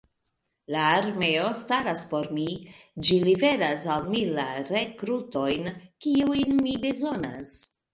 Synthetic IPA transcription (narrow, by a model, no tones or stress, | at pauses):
laːɾme̞o̞staɾaspo̞ɾmid͡ʒilibe̞ɾasalmilaɾe̞kɾuto̞jnkiujnmibezo̞na̰s